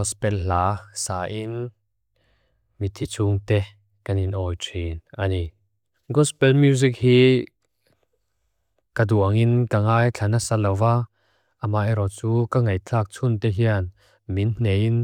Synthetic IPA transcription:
ɔspɛllaːsaːʔin | mit̪ʰit͡sʰuŋt̪ɛ | kaninɔːjtʰinʔani | ɡɔspɛlmjuzik̚hiː | kaduəŋinkaŋaːjt͡ɬʰɐnasalɐwva | ʔamaʔɛɾɔt͡suːkaŋɐjt͡ɬʰaːk̚t͡sʰunt̪ɛɦiən | minn̥ejin

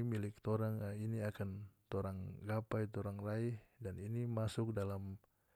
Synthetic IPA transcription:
milɪk̚t̪oɾaŋiniakant̪oɾaŋɡapajt̪oɾaŋraihdaninimasʊk̚dalam

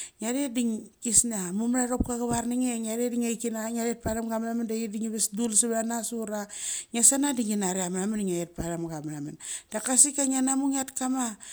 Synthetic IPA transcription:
ŋaɾediŋkisnamumɾaɾop̚kaɡaβarniŋeŋaɾediŋejkinaŋaɾet̚palamɡamlamandajidiŋiβesdulsiβanasuɾaŋasanadiŋinaɾiamɾamaniŋajet̚palamɡamɾamand̥akasikaŋanamuŋatkama

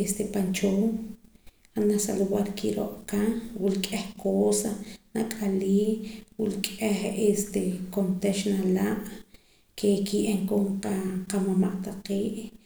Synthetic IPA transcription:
est̪epant͡ʃoːm | xanasa̰luwaɾkiɾo̰ʔʼkawulkʼehkoːsanakʼaliːwilkʼehest̪ekont̪eʃnalaʔ | kʰekiʔeŋkomqaqamamaʔt̪aqeːʔ

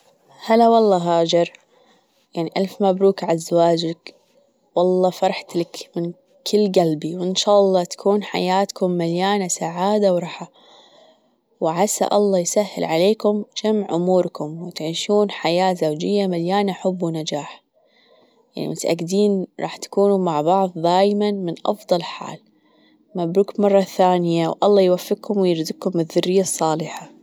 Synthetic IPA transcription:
halːawɑlˤːɑːɦaːd͡ʒɪɾˤ | jaʕniʔalfmabɾuːkʕazːawaːd͡ʒak | wɑlˤːɑːfɑɾˤɑħt̪lakmɪn | kʰɪlːɡalbiwɪnʃaːʔɑlˤːɑːt̪ḁkʰuːnħa̰jaːt̪kʊmːaljaːnasaʕaːd̪awɾˤɑħa | wɪʕasa̰ʔɑlˤːɑːjsahːɪ̰lʕaleːkʊmd͡ʒamʕʔʊmuːɾkʊmwɪt̪ʕiːʃuːnħajaːzawd͡ʒɪjːamaljaːnaħʊbːwnad͡ʒaːħ | jaʕnḭmʊt̪ʔa̰ɡd̪iːnɾˤɑ̰ːħt̪ḁkuːnumaʕbɑʕðˤd̪aːjmanmɪnʔɑ̰fðˤɑlħa̰ːl | mabɾuːkmɑrˤːɑθaːnɪjawʔɑlˤːɑːjwafːɪɡhʊmwjɪɾd̪ɪq̚kʊmbɪðːʊrːɪjːasˤːɑːlɪħa

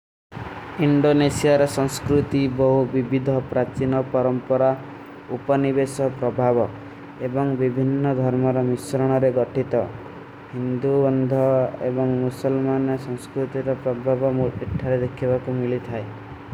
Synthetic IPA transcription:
iɳɖonesiaɾɔsɔ̃ŋskɾut̪ibɔɦubibid̪ʱɔpɾat͡ʃinɔpɔɾɔmpɔɾa | upɔnibesɔpɾɔbʱabɔ | ebɔŋbibʱinːɔd̪ʱɔɾmɔɾɔmisɾɔɽ̃ɔɾeɡɔʈʰit̪ɔ | hind̪uɔnd̪ʱɔḛbɔŋmusɔlmanɔsɔŋskɾut̪iɾɔpɾɔbʱabɔmuiʈʰːaɾed̪ekʰibakumilit̪ʰae

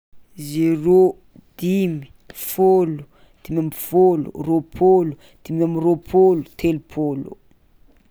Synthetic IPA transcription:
zero | d̪̥imi̥ | folu̥ | d̪̥imamfolṵropʰolu | d̪̥imamropʰolu̥t̪ʰelupʰolṵ

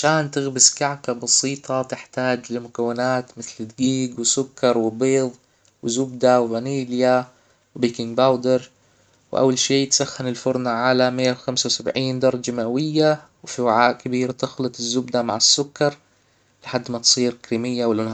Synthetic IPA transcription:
ʕaʃaːnt̪ɪɣbɪskaʕkabɑsiːt̪ˤʰɑt̪ɪħt̪aːd͡ʒlɪmʊkawːɪnaːt̪mɪθlɪd̪ɡiːɡwɪsʊkːɑɾˤwɪbeːðˤ | wɪzʊbd̪awɪvaniːlja | wbiːkɪŋɡbawd̪ɪɾ | wɪʔa̰wːalʃiːt̪saxːanɪlfʊɾˤnaʕalamɪjːawxamsawsabʕiːnd̪ɑɾˤɑd͡ʒamaʔawɪjːawɪfiwaʕaːʔkɪbiːɾat̪ɪxlɨt̪ˤɪzːʊbd̪ama̰ʕɪsːʊkːɑɾˤ | lɪħad̪ːmat̪sˤiːɾkɾiːmɪjːawɪlʔʊn

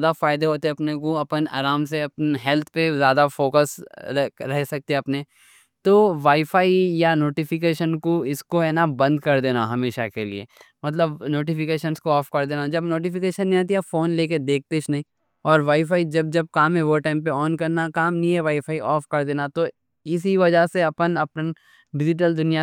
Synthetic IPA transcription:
d̪afaːɪd̪eɦoːt̪eɐpnekoɐpəna̰ːɾaːmseɐpnɦɛːlt̪ʰpezjaːd̪afoːkəs | ɾɛɦsɐk̚t̪eɦɛɐpne | t̪oːʋaːifaːijanoːʈifɪk̬eːʃənkoɪskoɦɛːnabɐ̃nd̪̚kɐɾd̪eːnaɦɐmeːʃakelḭḛː | mɐt̪̬ləbnoːʈifɪkeːʃənskoɔːfkɐɾd̪eːnad͡ʒɐbnoːʈifɪkeːʃənːĩat̪̬iafoːnleːk̬ed̪eːk̚ʰt̪et͡ʃnɐɦĩ | ɔːɾʋaːifaːid͡ʒɐb̚d͡ʒɐb̚kaːmɦɛʋoːʈãːmp̬eɔːnkɐɾnakaːmnĩɦɛʋaːifaːiʔɔːfkɐɾd̪eːnat̪o | ɪs̬iʋɐd͡ʒaseɐpənɐpn | ʋɪd͡ʒɪʈ̬əld̪ʊnija

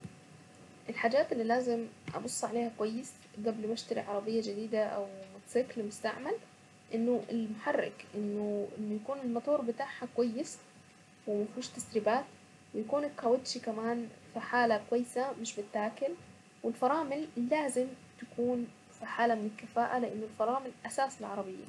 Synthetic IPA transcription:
ʔɪlħaːd͡ʒaːt̪ɪlːiːlaːzɪmʔɑ̰bʊsˤːʕaleːhakwajːɪs | ɡablmaʃt̪aɾḭʕɑɾˤɑbɪjːad͡ʒɪd̪iːd̪aʔa̰wmʊt̪sɪklmʊst̪a̰ʕmal | ʔɪnːʊʔɪlmʊħarːɪ̰kʔɪnːʊʔɪnːʊjakuːnɪlmɑt̪ˤuːɾˤbɪt̪aːʕhakwajːɪs | wɪmafuːʃt̪ːasɾɪbaːt̪ | wɪjakuːnɪt̪xawɪt̪ʃikamaːnfiħaːlakwajːɪsamɪʃbɪt̪ːaːkɪl | wɪlfɑɾˤɑːmɪlːaːzɪm | t̪ḁkuːn | fiħaːlamɪnɪlkːafaːʔalɪʔanːʊlfɑɾˤɑːmɪlʔasaːsɪlʕɑɾˤɑbɪjːa̰

